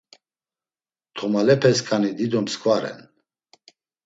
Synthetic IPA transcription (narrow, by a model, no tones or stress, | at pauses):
t̪ʰɔmalɛpʰɛskʼanid̪id̪ɔmskʰʼvaɾɛ̰n